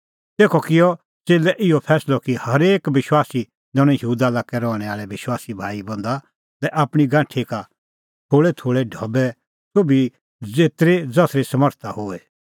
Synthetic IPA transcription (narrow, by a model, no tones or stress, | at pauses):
t̪eːkʰɔkɪjɔ | t͡seːlɛʔɪɔpʰɛːslɔkihɐɾeːkbɪʃwaːsi | d͡zɔɽ̃ɛ̃jɦuːd̪alaːkɛɾɔːɽ̃ɛ̃aːɭɛʋɪʃwaːsibʱa̰ːibɐ̃nd̪a | t̪ɛʔaːpɽ̃iɡãːʈʰika | t̪ʰoːɭɛt̪ʰoːɭɛɖʱɐbɛ | sobi | d͡zeːt̪ɾed͡zɐsɾesɐməɾt̪ʰahoɛ